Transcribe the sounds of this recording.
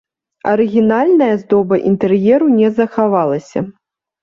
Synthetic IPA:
ɐɾɨɣʲinalʲnɐjɐzd̪ɔbɐʔint̪ɛrjɛɾunʲɛzɐxavalˠɐsʲɐ̰

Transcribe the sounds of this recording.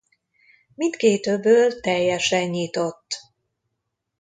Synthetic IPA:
mint̪keːt̪øbːøːlt̪ɛjɛʃɛɲːit̪o̞t̪ː

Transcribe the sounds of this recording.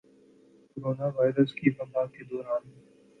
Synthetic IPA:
kkoɾoːnaʋaːɪɾəskifəbaːked̪ɔːɾaːn

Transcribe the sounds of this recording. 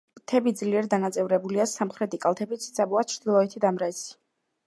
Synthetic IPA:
t̪ʰɛbid̪zliɛɾd̪anat̪sʼɛvɾɛbuliasamχɾɛt̪ʰikʼalˠt̪ʰɛbit̪sʰt̪sʰʼabuat͡ʃʰɾd̪̥ilˠɔɛt̪ʰid̪amɾɛsi̥

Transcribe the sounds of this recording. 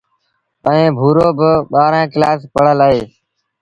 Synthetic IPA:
əẽːbʱuːɾoːbəɓaːɾãːkɪlaːspəɽ̤əlaːɦeː

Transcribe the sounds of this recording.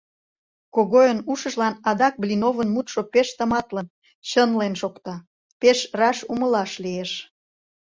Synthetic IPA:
koɣojənuʃə̆ʒlɑnɑd̪ɑk̚blʲinovənmut̪ʃopeʃt̪əmɑt̪lən | t͡ɕənlenʃokt̪ɑ | peʃrɑʃumə̆lɑʃlieʃ

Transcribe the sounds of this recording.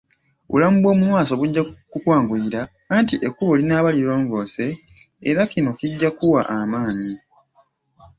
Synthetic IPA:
βṵlamubwo̞ːmumwaːso̞βuɟːakukwaːŋɡuiɾaː | ntiʔekːuβo̞linaːβaliɾwoːɱvo̞ːse̞ː | ɾakino̞kiɟːakuwaʔamaːɲi

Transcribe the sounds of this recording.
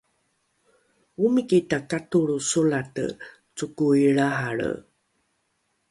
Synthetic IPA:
umikitakatuɭusulatə̰ | t͡sukuiɭaɦaɭə̰

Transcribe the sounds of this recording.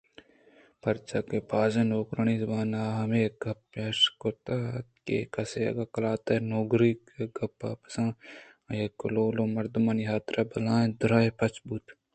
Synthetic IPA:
pɐɾt͡ʃakepaːzɐnoːkɾɐnizbaːnaːɦɐmeɡɐpːɐʃkot̪at̪kḛkɐseɐ̰ɡakɐlaːt̪ɐnoːɡɾiːkeɡʱɐpːa̰pɐ̥sãː | ɐjekːʊloːlomɐɾd̪umɐnjaːt̪ɾɐbɐlãːd̪ʊɾaːepɐt͡ʃbut̪

